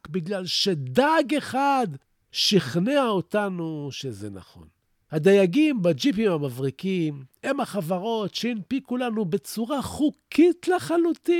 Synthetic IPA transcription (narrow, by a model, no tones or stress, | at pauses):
kbiɡlalʃed̪aɡe̞χad̪ | ʃiχneaot̪anuʃezḛna̰χo̞̰n | had̪ajaɡimbad͡ʒip̬imhamavʁikime̞mhaχavaʁo̞tʃeinpikulanubet͡suʁaχukʰitleχalut̪i